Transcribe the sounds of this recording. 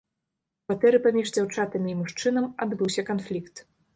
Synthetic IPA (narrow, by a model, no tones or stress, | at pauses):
kvat̪ɛɾɨpamʲiʐd͡zʲawt͡ʂat̪ɨmʲiimuʂt͡ʂɨnɐmad̪bɨwsʲɐkanflʲikt̪